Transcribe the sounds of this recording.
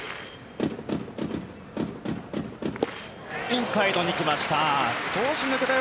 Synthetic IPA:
ĩsaid̪o̞ɲ̟ikʲimaɕi̥t̪asɨ̥koːɕinet̪et̪a

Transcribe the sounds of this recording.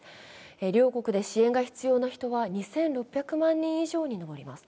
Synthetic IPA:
eɾʲo̞ːko̞kɯ̟d̪e̞ɕiẽ̞ŋɡaçi̥t͡sɨjo̞ːnaçi̥t̪o̞βaɲ̟isẽ̞nɾo̞pʲːjakɯ̟mãɲ̟ːĩɰ̃iʑo̞ːɲ̟ino̞bo̞ɾʲimasɨ̥

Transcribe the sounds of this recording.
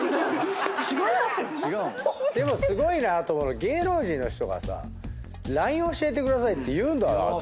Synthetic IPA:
d̪e̞mo̞sɨɡo̞inat̪omonoɡe̞ːɾo̞ːʑĩnːo̞̰çi̥t̪o̞̰ɡa̰sa̰ | ɾaĩɰ̃o̞ɕie̞t̪̬e̞kɯ̟d̪asait̪ːe̞jɯ̟ːnd̪a̰

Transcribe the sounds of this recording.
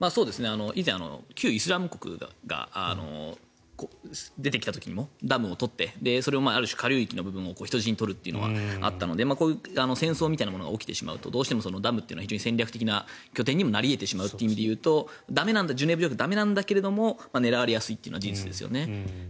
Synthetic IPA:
maːsoːd̪e̞sɨne̞ano̞ʔizẽ̞ano̰kʲʰɨːisɨɾamɯ̟ko̞̥kɯ̟̰ɡa̰ɡa̰a̰no̞̰ | kod̪e̞t̪ekʲi̥t̪at̪o̞kʲiɲ̟imo̞d̪amɯ̟o̞t̪o̞t̪ːe̞d̪e̞so̞ɾe̞omaːaɾɯ̟ɕi̥kaɾʲoːikʲino̞bɯ̟bɯ̟̃ɰ̃o̞ko̞ːçi̥t̪oʑiɲ̟it̪o̞ɾɯ̟t̪ːeiɯ̟no̰ɡa̰a̰t̪ːano̞d̪e̞maːko̞ːano̞sẽ̞ɰ̃so̞ːmʲit̪ainamo̞noɡa̰okʲi̥t̪e̞̰ɕima̰ɯ̟t̪o̞d̪o̞ːɕi̥t̪eoso̞no̞d̪amɯ̟t̪ːeɨ̟nçiʑoːɲ̟isẽ̞ɲɾʲakɯ̟̥ekʲinakʲo̞t̪̬ẽ̞ɲ̟ːimo̞naɾʲie̞t̪e̞ɕimaɯ̟t̪ːeimid̪e̞jɯ̟ːt̪o̞d̪ame̞nãnd̪ad͡ʑɨːnebɯ̟okɯ̟d̪ame̞nãnd̪ake̞ɾe̞d̪o̞mo̞mane̞ɾaβaɾejasɨit̪ːeɯ̟no̞ad͡ʑiit͡sɨd̪e̞sɨjo̞̰ne̞

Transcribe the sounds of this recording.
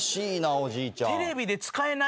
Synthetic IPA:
ɕiːnaod͡ʑiːt͡ɕat̪eɾe̞bʲid̪e̞t͡sɨ̥kae̞na

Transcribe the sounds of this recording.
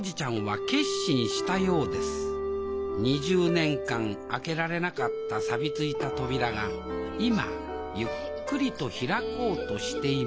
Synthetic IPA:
d͡ʑit͡ɕãɰ̃βake̞ɕĩɰ̃ɕi̥t̪ajo̞ːd̪e̞sɨ̥ | ɲ̟iʑɨːnẽ̞ŋkãŋ | ake̞ɾaɾe̞nakat̪ːasabʲit͡sɨit̪at̪o̞bʲiɾaɡa | ima̰ | jɯ̟kkːɯ̟ɾʲit̪o̞çiɾako̞ːt̪o̞ɕi̥t̪e̞i

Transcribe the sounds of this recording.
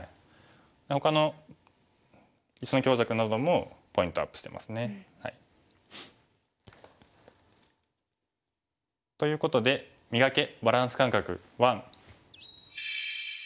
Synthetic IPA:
i | d̪eho̞kano̞ | it͡ɕino̞kʲo̞ːʑakɯ̟nad̪o̞mo̞po̞ĩnt̪o̞a̰pːɯ̥ɕt̪e̞mʔa̰sɨne̞ha̰i | t̪o̞jɯ̟ːko̞t̪o̞d̪e̞ | mʲiɡake̞baɾãɰ̃sɨ̥kãŋkakɯ̟̰ | βãŋ̃

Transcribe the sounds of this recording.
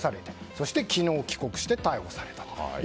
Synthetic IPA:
saɾe̞t̪eso̞ɕi̥t̪e̞kʲino̞ːkʲi̥ko̞kɯ̟̥ɕi̥t̪et̪aiho̞saɾe̞t̪ḁt̪o̥

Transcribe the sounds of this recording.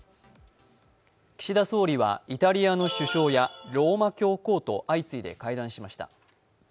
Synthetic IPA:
kʲi̥ɕid̪aso̞ːɾʲiβ̞a̰it̪aɾʲiano̞ɕɨɕo̞ːjaɾo̞ːmakʲo̞ːko̞ːt̪o̞̰ʔait͡sɨid̪e̞̰kaid̪ãɰ̃ɕimaɕi̥t̪a̰

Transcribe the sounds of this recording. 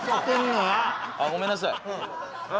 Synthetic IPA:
t̪enaaɡomenas̬aj

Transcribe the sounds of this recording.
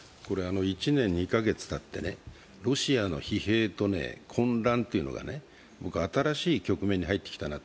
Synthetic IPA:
ko̞ɾe̞ano̞it͡ɕinẽ̞ɲ̟ɲ̟ːikaɡe̞t͡sɨ̥t̪at̪ːe̞̰ne̞̰ | ɾo̞ɕiano̞̰çihe̞ːt̪o̞ne̞̰kʰõ̞nɾãnt̪e̞iɯ̟no̞̰ɡa̰ne̞ | bo̞kɯ̟at̪aɾaɕiːkʲo̞kɯ̟meɲ̟ːiɦait̪ːe̥kʲi̥t̪anat̪o

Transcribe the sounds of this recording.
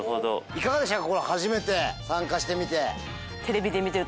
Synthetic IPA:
hod̪o̰ikaɡad̪e̞ɕ̬t̪akːakoɾahaʑime̞t̪e̞sãŋkaɕi̥t̪e̞mʲit̪e̞ | t̪ʰe̞ɾe̞bʲid̪e̞mʲit̪eɾɯ̟

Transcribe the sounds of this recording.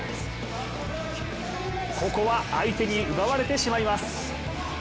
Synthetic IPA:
ko̞ko̞βa̰ːit̪e̞ɲ̟iɯ̟βaβaɾe̞t̪e̞ɕimaimasɨ̥

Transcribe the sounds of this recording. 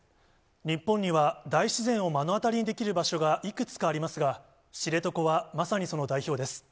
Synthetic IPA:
ɲ̟ipːõɲ̟ɲːiβad̪aiɕizẽ̞ɰ̃o̞mano̞at̪aɾʲiɲ̟id̪e̞kʲiɾɯ̟baɕo̞ɡaʔikɯ̟t͡sɨ̥kaːɾʲimasɨɡa | ɕiɾe̞t̪o̞ko̞βamasaɲ̟iso̞no̞d̪aiço̞ːd̪e̞sɨ̥

